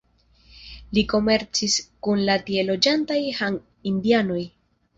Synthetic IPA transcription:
liko̞me̞ɾt͡siskunlatie̞lo̞d͡ʒantajhaŋ | indiano̞j

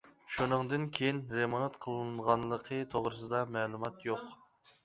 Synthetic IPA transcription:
ʃunɨŋd̪ɨnkʲʰejinɾemonɑt̪qʰəlˠɨnʁɑnlˠəqʰət̪ʰoʁɾɨsɨd̪ɑmɛːlˠumɑt̪joq

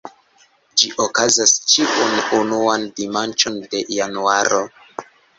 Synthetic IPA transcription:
d͡ʒiʔokazast͡ʃiʔununuandimant͡ʃo̞nde̞januaɾo̞

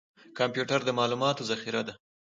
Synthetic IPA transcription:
kampjuʈaɾd̪əmɑlumɑt̪ozaxiɾad̪a

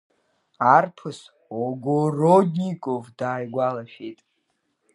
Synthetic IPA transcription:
arpʰɨs | oɡorodikʷʼovdaːjɡʷalaʃᶣejtʼ

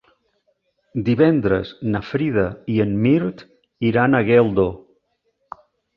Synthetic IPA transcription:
d̪iβɛnd̪ɾə̰znafɾiðəiənmiɾt̪ | iɾanəɣɛlˠd̪o

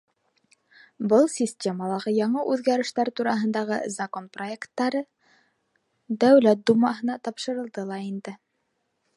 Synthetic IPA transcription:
bɤlˠsʲisʲtʲe̞məlˠɑʁɤjɑɴɤʔʉðɡæɾɘ̆ʃt̪æɾt̪uɾɑɦɤ̆nd̪ɑʁɤzɐko̞npro̞e̞kt̪ːɑɾɤ | d̪æwlæt̪̚d̪umɑɦɤ̆nɑt̪ɑpʃɤ̆ɾɤ̆lˠd̪ɤlˠɑind̪ɘ

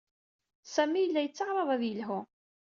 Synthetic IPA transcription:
sæmːijəlːæjət͡sːɑʁɾˤɑðˤæðjəlɦʊ

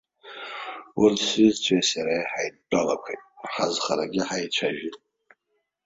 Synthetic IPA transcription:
wurdsizt͡sʷʰasjaɾaeħajdːalakʷʰejtʼħazχaɾaɡʲɪħajt͡ʃʷʰaʒᶣitʼ

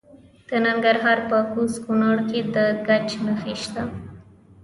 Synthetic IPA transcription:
d̪̥ənaŋɡaɾɦɑɾpəkuskunəɽked̪əɡat͡ʃnəxeʃt̪a

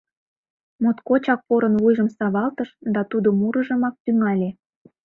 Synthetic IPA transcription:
mot̪kot͡ɕɑk̚poɾənβujʒəmsɑβɑlt̪əʃd̪ɑt̪ud̪omuɾəʒə̆mɑk̚t̪yŋɑlʲe

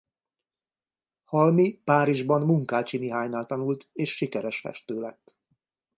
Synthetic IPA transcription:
hɒlmipaːɾiʒbɒnmuŋkaːt͡ʃimiɦaːɲnaːlt̪ɒnult̪eːʃːikɛɾɛʃfɛ̰ʃt̪øːlɛt̪ː

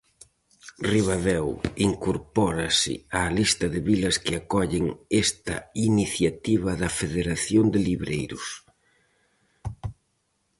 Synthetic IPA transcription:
riβaβɛwiŋkoɾpɔɾɐsɪ̰alist̪ɐðɪβilɐskɪakɔʎɪŋest̪ɐ̰iniθjat̪iβɐðɐfeðeɾaθjond̪ɪliβɾejɾʊs

